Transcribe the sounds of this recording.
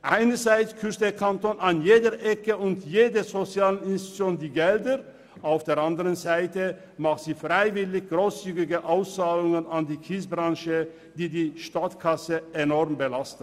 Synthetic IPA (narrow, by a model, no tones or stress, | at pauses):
ʔaɪnəzaɪt͡skʰʏstd̥eːɐkʰantoːnanjeːdəʔɛkəʊntjeːdəzot͡sjaːlənɪnsti̥t͡sjoːndiːɡɛldə | ʔaʊfd̥eːɐʔandəʁənzaɪtə | maχtz̥iːfʁ̥aɪvɪlɪçɡ̥ʁoːst͡syːɡɪɡəʔaʊst͡saːlʊŋənandiːkʰiːsbʁanʃə | d̥iːdiːʃtatkʰasəʔenɔʁmbəlast̩